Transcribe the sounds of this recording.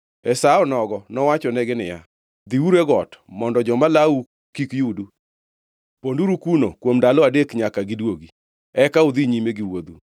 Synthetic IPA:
ɛsaɔnɔɡɔnɔwat͡ʃɔnɛɡɪnɪja̰ | d̪iuɾeɡɔtmɔndɔd͡ʒɔmalau | kikjudu | ponduɾukunokwomdalɔadekɲakaɡɪdwoɡi | ɛkaud̪iɲimeɡɪwod̪u

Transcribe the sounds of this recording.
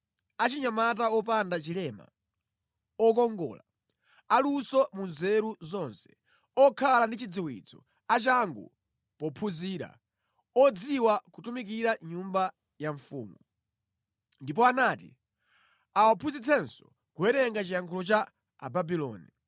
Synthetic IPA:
at͡ʃiɲamat̬aɔp̬andat͡ʃilɛma̰ | ɔk̬ɔŋɡɔ̰ːla | alusɔmunzɛɾuzɔnsɛ̥ | ɔkʰalandit͡ʃid͡ziwḭt͡sɔ̰ | at͡ʃaŋɡṵ | pɔpʰuziːɾa̰ | ɔd͡ziwakutumik̬iɾaɲumba | jaɱfṵːmu | ndip̬ɔanatḭ | awapʰuzit͡sʰɛnsɔ | kuɛɾɛŋɡat͡ʃijaŋkʰɔlɔt͡ʃa | a̰babilɔ̰ːnḭ

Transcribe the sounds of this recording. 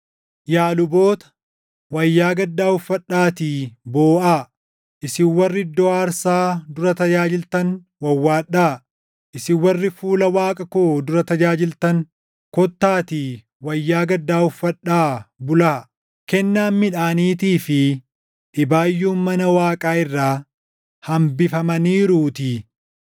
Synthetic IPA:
jaːlʊboːt̪ɐ̥ | wɐjːaːɡɐd̪ːaːʊfːɐᶑːaːt̪iːboːʔaː | ʔɪsɪwɐrːɪd̪ːɔaːɾsaːd̪ʊɾɐt̪ɐd͡ʒaːd͡ʒɪlt̪ɐn | wɐwːaːᶑːaː | ʔɪsɪwɐrːɪfuːlɐwaːkʼɐkoːd̪ʊɾɐt̪ɐd͡ʒaːd͡ʒɪlt̪ɐŋ | kɔt̪ːaːt̪iː | wɐjːaːɡɐd̪ːaːʊfːɐᶑːaːbʊlaː | kɛnːaːnmɪᶑaːniːt̪iːfɪ | ᶑɪbaːjːuːnmɐnɐwaːkʼaːɪrːaː | hɐmbɪfɐmɐniːɾuːt̪i

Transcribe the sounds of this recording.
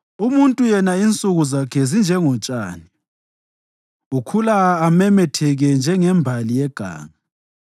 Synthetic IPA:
umuntʼujɛnaint͡sʼuɣuzakʰɛzind͡ʒʱɛŋɔt͡ʃʼa̰ːni | ukʰulaːmɛmɛtʰɛɣɛnd͡ʒʱɛŋɛmbʱalijɛɡ̥ʱa̰ːŋa

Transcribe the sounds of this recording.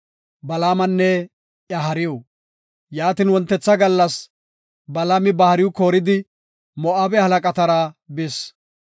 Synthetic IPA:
bɐlaːmɐnːɛ | ʔjɐɦɐɾɪjɔ | jaːt̪ɪnwɔnt̪ːɛt͡sːɐɡɐlːɐs | bɐlaːmɪbɐhɐɾɪwʊkoːɾɪd̪ɪ | mɔʔaːbɛhɐlɐkʼɐt̪ɐɾabɪs

